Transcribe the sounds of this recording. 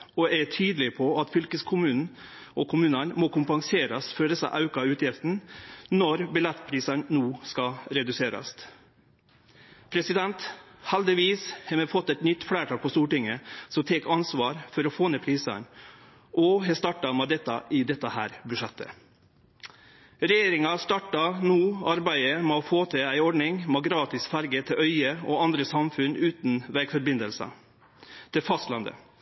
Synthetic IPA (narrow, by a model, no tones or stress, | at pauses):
ɔɛt̪ʰyːd̪lɪpʰɔɑt̪fʏlkəskʰʊmʉːnn̩ | ʔɔkʰʊmʉːnənmɔkʰʊmpɑŋseːɾɑsfœːɖ̪ɛsɑ̰ʔɑʉkɑʉːt̪jɪft̪n̩nɔɾbɪlɛt̪pʰɾiːsɑɳnuːskɑɾɛd̪ʉseːɾɑ̰st̪ | pʰɾɛsɪd̪ɛnt̪hɛld̪ɪʋiːshɛmɛfɔt̪ːɛt̪nʏt̪ːfɽæːʈʰɑːk̚pʰɔst̪uːʈɪŋːəsɔmt̪ʰɛkɑnsʋɑːɾfɔɾɔfoːneːpʰɾiːsə̰n | ʔɔɦɛst̪ɑʈɑmɛd̪ɛt̪ːɑ̰ʔɪd̪ɛt̪ːəhæ̰ːɾbʉʂɛt̪ʰːə̰ | ɾɛjeːɾɪŋɑst̪ɑʈːɑnuːɑɾbæɪəmofoːt̪ʰɛæɪɔɖɳɪŋmoɡɾɑːt̪ɪsfɑɾɡət̪ʰɪlʔœʏəɔ̰ːɑnd̪ɾəsɑmfʉnʉːt̪nʋæɡfɔɾbɪnd̪əlsɑ̰ | t̪ʰɪfɑst̪lɑnd̪ə̰